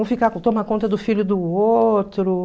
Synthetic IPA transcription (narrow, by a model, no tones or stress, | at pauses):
w̃fikakt̪õmɐkõnt̪ɐd̪ʊfiʎʊd̪ʊot̪ɾʊ